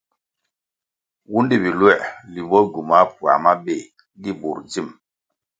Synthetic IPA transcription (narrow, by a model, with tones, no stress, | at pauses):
wu˦ndi˦˨bi˨lwɛ˦˨ʔli˨bɔ˦ɡu˨ma˨˦pu˨a̰˨ma˦be˦˨ | di˦bu˨ɾd͡ʒi˦˨m